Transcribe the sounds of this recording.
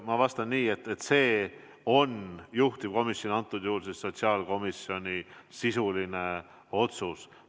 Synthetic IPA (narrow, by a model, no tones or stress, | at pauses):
mɑvɑst̪ɑnːiːe̞t̪ːˑet̪se̞ː | o̞njuht̪ib̥̚ko̞misjonʲɑnt̪ːˑud̪̥juhlsesːo̞t̪siɑːlko̞misjo̞nʲisisuline | o̞t̪sus